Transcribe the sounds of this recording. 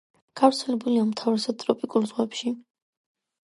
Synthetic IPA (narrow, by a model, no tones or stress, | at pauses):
ɡ̥avɾt̪sʰɛlɛbuliamt̪ʰavɾɛsad̪̚t̪ʼɾɔpʼikʼulˠzʁwɛpʃi